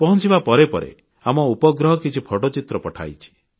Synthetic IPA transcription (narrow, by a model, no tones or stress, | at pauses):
pɔɦɔ̃nt͡ʃibapɔɾepɔɾḛ | amɔupɔɡɾɔɦɔkit͡ʃʰipʰɔʈɔt͡ʃit̪ɾɔpɔʈʰa̰jt͡ʃʰi̥